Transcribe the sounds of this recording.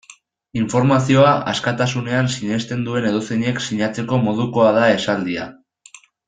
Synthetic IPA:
iɱfo̞ɾmasio̞aʔa̰skat̪asune̞ansiɲe̞st̪e̞nd̪ue̞ne̞ð̞useɲe̞ksiɲat͡se̞ko̞mo̞ð̞uko̞aðae̞sald̪ia̰

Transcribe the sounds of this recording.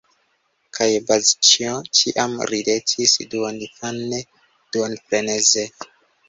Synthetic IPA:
kʰajbazt͡ʃiot͡ʃiʔamɾidetʰisduondifanːe | d̥uonfɾeneze

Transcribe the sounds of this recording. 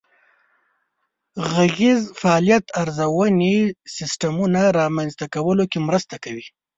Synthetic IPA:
ɣaɣezfaɑlijat̪aɾzawənesɪsʈamunaɾɑmanzt̪akawəlokemɾəst̪akawi

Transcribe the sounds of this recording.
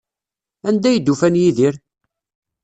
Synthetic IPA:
ænd̪æjəd̪ːufænjiðiɾ

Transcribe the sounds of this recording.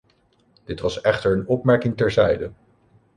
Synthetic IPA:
d̥ɪtʋɑsɛχtəɹənɔpmɛɹkɪŋtɛɹzɛjdə

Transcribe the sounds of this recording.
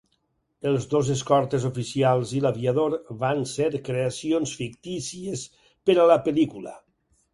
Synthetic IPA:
əlˠzðozes̬kɔɾt̪ezufisialˠzilaβiaðoɾβanseɾkɾeasionsfik̚t̪isies | pəɾələpelikulə̰

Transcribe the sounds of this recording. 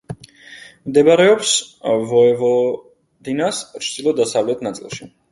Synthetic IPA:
md̪ɛbaɾɛɔpsvɔɛvɔ | d̪inast͡ʃʰd̪ilˠɔd̪asavlɛt̪ʰnat̪sʼḭlˠʃi

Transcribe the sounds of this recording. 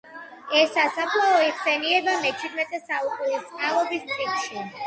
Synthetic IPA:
ɛsːasapʰlˠaɔiʁsɛniɛbamɛt͡ʃʰid̪mɛt̪ʼɛsaukʼuɾist̪sʼqʼalɔbismχʼit̪ʃi

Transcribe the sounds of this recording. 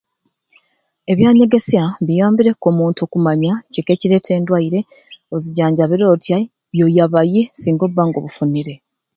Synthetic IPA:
e̞βjaːɲe̞ɡe̞sjaβijaːmbiɾe̞ko̞ːmuːntuoːkumaɲaceke̞ːciɾe̞ːtʰe̞ːndwaiɾe̞ | oziɟaːɲɟaβiɾo̞ːtʰja | βjo̞jaβaje̞siːŋɡo̞βːaŋɡo̞̰ːβufuniɾe̞

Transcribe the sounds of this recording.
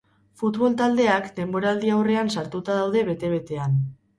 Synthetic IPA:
fut̪βo̞lt̪ald̪e̞akd̪e̞mbo̞ɾald̪iawre̞ansaɾt̪ut̪aðawðe̞βe̞t̪e̞β̞e̞t̪e̞an

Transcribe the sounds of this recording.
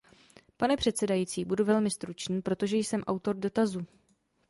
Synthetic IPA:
panɛpr̝̥ɛt̪sɛdajit͡siːbuduvɛlmɪst̪ɾut͡ʃniːpɾo̞t̪o̞ʒɛjsɛmʔawt̪o̞ɾdo̞t̪azu

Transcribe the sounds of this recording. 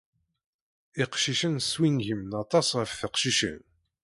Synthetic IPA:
iqʃiʃənswinʝimnɑt̪ˤɑsʁəfθəqʃiʃə̰n

